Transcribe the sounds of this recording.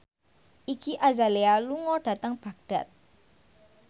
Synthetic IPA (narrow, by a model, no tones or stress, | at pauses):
ʔikiʔazalealuŋɔɖ̥ä̤t̪əŋb̥a̤ɡ̚ɖ̥a̤t̪̚